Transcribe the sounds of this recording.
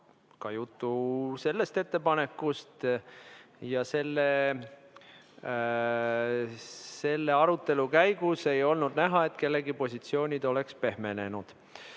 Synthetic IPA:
kɑjut̪ːuse̞lːe̞st̪e̞t̪ːe̞pɑne̞kːˑust̪ | jɑse̞lːe | se̞lːe̞ɑɾut̪ːˑe̞lukæjɡ̥use̞jo̞lnud̪̥næɦɑe̞t̪ˑke̞lːe̞ɡipo̞sʲit̪sio̞ːnʲid̪̥o̞le̞kspe̞ɦme̞ne̞nud̪̥

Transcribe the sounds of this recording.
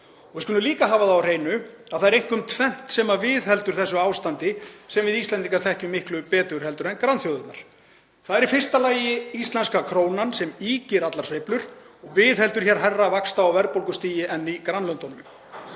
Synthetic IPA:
ɔɣvɪskʏnːʏliːkaɦaːvaθaawr̥eːjnʏaðθaðɛɾejŋ̥kʏmt̪ʰvɛn̥t̪sɛmavɪːðɦɛl̪t̪ʏɾ̥θɛsːʏaːwst̪ant̪ɪsɛmvɪðist̪ɛnt̪̬iŋkaɾ̥θɛhcɪmɪhklʏpɛːt̪ʏɾhɛl̪t̪ʏɾɛnkɾanθjowðʏt̪na̰ɾ̥ | θaðɛɾifɪr̥st̪alaːjɪist̪lɛnskakʰɾoːwnansɛmiːcɪɾat̪laɾ̥svejplʏɾ̥ | ɔɣvɪːðhɛlt̪ʏɾ̥çɛɾ̥ɦɛrːavakst̪aːwvɛɾpowlkʏst̪iːjɪʔɛnːikɾanlœnt̪ɔnʏm

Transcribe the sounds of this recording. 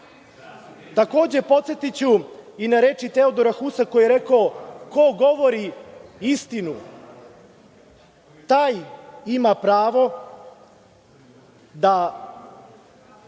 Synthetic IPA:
t̪ako̞ːd͡ʑe̞po̞t̪se̞t̪it͡ɕuinaɾe̞t͡ʃit̪e̞od̪o̞ɾaxusako̞jeɾe̞kaoko̞ɡo̞ʋo̞ɾiist̪inu | t̪aːjimapɾaːʋo̞ | d̪a

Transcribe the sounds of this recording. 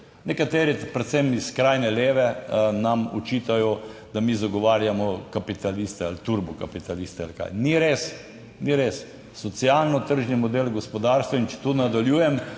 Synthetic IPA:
nɛkat̪eːɾipɾɛt̪sɛmiskɾajnɛleːʋɛnamɔ̰t͡ʃit̪ajɔd̪amiːzaɡɔʋaːɾjamɔkapit̪alist̪ɛalt̪uɾbukapit̪alist̪ɛa̰lka̰jniɾes | niɾesː | ɔt̪sialnɔt̪əɾʒnimɔd̪elɡospɔd̪aɾst̪ʋɔint͡ʃɛ̥t̪unad̪aljuːjɛm

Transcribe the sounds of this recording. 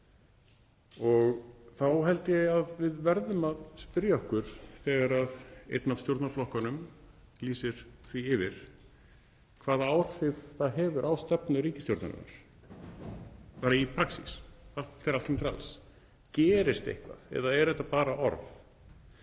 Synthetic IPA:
ɔɣθawɦɛlt̪ɪaðvɪðvɛɾðʏmaðspɪɾjaɔhkʏɾ̥θɛɣaɾaðḛjt̪navst̪jowɾt̪naɾflɔhkanʏm | liːsɪɾ̥θviɪvɪɾ̥ | kʰvaːðaawr̥ɪvθaðɦɛːvʏɾʔaːwst̪ɛpnʏɾiːcɪst̪joɾt̪na̰ɾ̰na̰ɾ̥ | paːɾaipʰɾaksḭsaɛɾalt̪ɪmt̪ɾa̰ls | cɛːɾɪst̪ḛjhkva̰ðɛ̰ðaɛɾðɛht̪ːapaːɾaʔɔ̰ɾf

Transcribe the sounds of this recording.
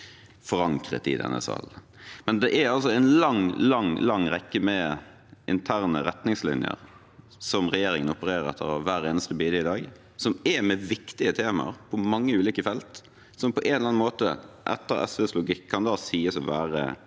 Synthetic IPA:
fɔɾɑŋkʁə̰t̪ɪ̰d̪ɛ̰nːə̰sɑ̰ːl | mɛnd̪ɛʔæɑlsɔɛnlɑŋlɑŋlɑŋːʁɛkːəmɛ | ʔɪnt̪ʰæɾnəɾɛt̪nɪŋslɪ̰njə̰ɾ | sɔmʁɛjeːɾɪŋənɔpəɾeːʁəɾɛ̰t̪ʰːəɾɑʋæːɾeːnəst̪əbiːd̪əɪd̪ɑːɡ | sɔmɛmɛʋɪkt̪ɪət̪ʰeːmɑ̰ɾpʰɔmɑŋːəʉːliːkəfɛlt̪ | sɔmpʰɔʔenlɑnmoːt̪əʔɛ̰t̪ːəɾɛ̰sʋɛslʊɡɪkʰːɑnd̪ɑːsiːəsɔʋæːʁə̰

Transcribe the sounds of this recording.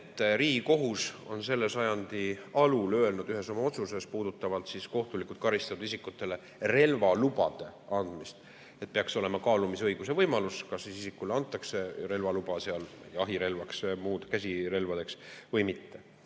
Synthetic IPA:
et̪ːˑriːɡiko̞ɦuso̞̰nse̞lːe̞sɑjɑnd̪̥iɑlulø̞elnud̪yɦe̞so̞mɑo̞t̪suse̞spuːd̪̥ut̪ːˑɑvɑlt̪sisko̞ht̪ulikˑut̪̚kɑɾist̪ɑt̪ud̪isikːˑut̪ːˑe̞le̞ | re̞lvɑlubɑd̪̥e̞ɑnd̪̥mist̪ | et̪̚peɑkso̞le̞mɑkɑːlumisɤjɡ̥use̞vɤjmɑluskɑsisisikːˑuleɑnt̪ːˑɑkse̞ɾe̞lvɑlub̥ɑseɑlvjɑɦiɾe̞lvɑksmuːd̪̥kæsʲiɾe̞lvɑd̪̥e̞ksvɤjmit̪ːe̞

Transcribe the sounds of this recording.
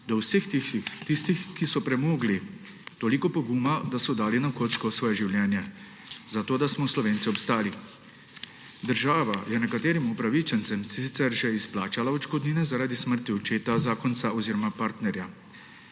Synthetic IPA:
d̪ɔwsext̪ist̪ixkisɔpɾɛmoːɡli | t̪oːlikɔpɔɡuːmad̪asɔd̪aːlinakoːt̪skɔsʋɔːjɛʒiwljɛːnjɛ | zat̪oːd̪asmɔslɔʋeːnt̪iɔpst̪aːli | d̪əɾʒaːʋajɛnɛkat̪eːɾimupɾaʋit͡ʃɛnt̪sɛmsit̪sɛɾʒɛisplaːt͡ʃalaɔt͡ʃkɔd̪niːnɛzaɾaːd̪isməɾt̪iɔt͡ʃeːt̪azaːkɔnt̪saʔɔziːɾɔmapaɾt̪nɛɾja

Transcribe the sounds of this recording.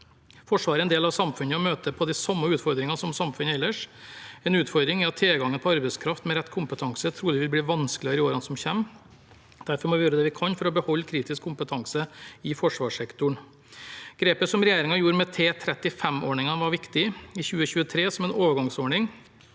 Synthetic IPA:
fɔʂʋɑːɾəɛnd̪eːlɑʋsɑmfʉnəɔmøːt̪əpʰɔd̪ɪsɑmːəʉːt̪fɔɾd̪ɾɪŋɑsɔmsɑmfʉnːəɛlːəʂɛnʉːt̪fɔɾd̪ɾɪŋæɑt̪ʰːeːɡɑŋːənpʰɔɑɾbɛɪskʰɾɑft̪mɛɾɛt̪ːkʰʊmpət̪ʰɑŋsət̪ʰɾuːlɪʋɪlbliːʋɑnsklɪɾɪoːɾɑnsɔmçɛmː | d̪æɾfɔɾmɔʋɪjøːɾəd̪ɛʋɪkʰɑnfɔɾɔbəhɔlːkʰɾiːt̪ɪskʰːʊmpət̪ʰɑŋsəɪfɔʂʋɑːʂɛkt̪ʊɳ | ɡ̥ɾeːpəsɔmɾɛjeːɾɪŋɑjuːɾmɛt̪ʰeːt̪ʰɾɛt̪ɪfɛmːoːɳɪŋɑnʋɑɾʋɪkt̪ɪɪçʉːəçʉːət̪ʰɾeːsɔmɛnoːʋəɾɡɑŋsoːɳɪŋ

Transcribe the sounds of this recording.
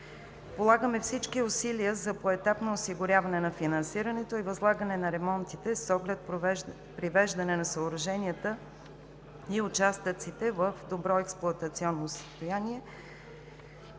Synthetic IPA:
polˠaɡəmɛfsit͡ʃkiʊsiliəzɐpoɛt̪apnoːsiɡʊɾʲjavɐnɛnɐfinɐ̃nsiɾənɛt̪oivɐzlˠaɡənɛnɐɾɛmɔnt̪it̪ɛsɔɡlɛt̪̚ | pɾivɛʒd̪ɐnɛnɐsəʊɾɐʒɛniət̪ə | iʊt͡ʃast̪ət̪sit̪ɛvəfd̪obɾɔɛksplˠʊɐt̪ət̪siɔnːosə̥st̪ojaniɛ

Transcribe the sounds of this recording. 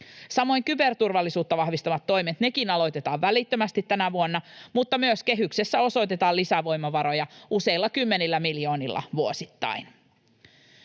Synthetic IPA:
sɑmo̞jŋkybe̞rt̪urʋɑlːisuːt̪ːɑʋɑhʋist̪ɑʋɑt̪ːo̞jmet̪ne̞kinɑlo̞jt̪e̞t̪ɑːʋʋælit̪ːømæst̪it̪ːænæʋuonːɑmut̪ːɑmyøske̞ɦykse̞sːæo̞so̞jt̪e̞t̪ɑːlisæʋo̞jmːɑʋɑɾo̞jɑuse̞ilːɑkymːenilːæmiljo̞ːnilːɑ̰ʋuosit̪ːɑ̰in

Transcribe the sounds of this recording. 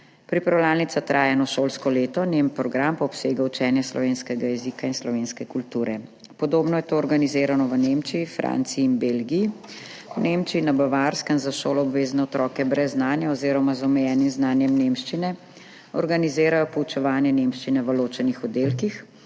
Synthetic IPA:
pɾipɾawlaːlnit̪sat̪ɾʔaːjanɔʃoːlskɔleːt̪ɔnempɾɔɡɾampɔɔpseːɡawt͡ʃɛːnjɛslɔ̰ʋeːnskɛɡajɛzikainslɔʋeːnskɛkult̪uːɾɛ | pɔd̪oːbnɔjɛt̪oːɾɡanizeːɾanɔʋənemt͡ʃiifɾʔa̰ːnt̪siiːnbelɡii | wnemt͡ʃiːnabaʋaɾskənzaʃoːlɔɔbʋeːznɛɔt̪ɾɔːkɛbɾɛzːnaːnjɛɔzeːɾɔmazɔmɛjɛːnimznaːnjɛmnemʃt͡ʃinɛ | ɔɾɡanizeːɾajɔpɔut͡ʃɛʋaːnjɛnemʃt͡ʃinɛʋəloːt͡ʃɛnixɔd̪eːlkix

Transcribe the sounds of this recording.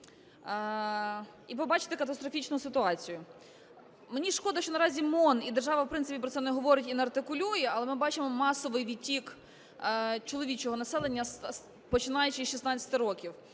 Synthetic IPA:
ipɔbɑt͡ʃɪ̥t̪ɪkɐt̪ɐst̪ɾɔfʲit͡ʃnʊsɪt̪ʊɑt͡sʲijʊ | menʲiʃkɔd̪ɐʃt͡ʃɔnɐɾɑzʲimɔnid̪erʒɑʋɐwpɾɪnɪpʲipɾɔt̪sɛnɛɦɔʋɔɾɪtʲinɐrt̪ɪkʊlʲujɛɐlˠɛmɪbɑt͡ʃɪmɔmɑsɔʋɪjʋʲitʲikː | t͡ʃɔlˠɔʋʲit͡ʃɔɦɔnɐsɛlˠenʲːɐs | pɔt͡ʃɪnɑjʊt͡ʃɪʃisnɑt͡sʲɐ̥t̪ɪɾɔkʲiw

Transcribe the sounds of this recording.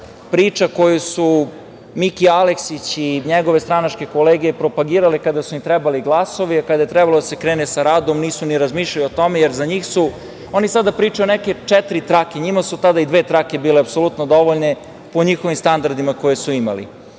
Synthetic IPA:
pɾiːt͡ʃako̞jusu | mikialeksit͡ɕiɲeɡo̞ʋest̪ɾanat͡ʂke̞koleːɡijepɾo̞paɡiːɾalikad̪asuimt̪ɾɛbaliɡlˠaso̞ʋiakad̪aje̞t̪ɾɛbalod̪ase̞kɾeːnesaɾaːd̪omniːsuniɾazmiːʃʎaluot̪o̞me̞jeɾzaɲiːxsu | o̞nisad̪apɾiːt͡ʃajoneke̞t͡ʃɛt̪ɾit̪ɾakeɲimasut̪ad̪aid̪ʋe̞ːt̪ɾake̞biːleapso̞lut̪nod̪o̞ʋoʎne̞ | po̞ɲixo̞ʋimst̪and̪aɾd̪imako̞jesuima̰lḭ

